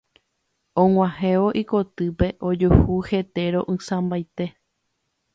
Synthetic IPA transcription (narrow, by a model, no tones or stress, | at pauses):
õŋʷãhẽʋoʔiko̞t̪ɨpe̞ʔod͡ʒuhuhe̞t̪e̞ɾõʔɨ̃sãmbajt̪e̞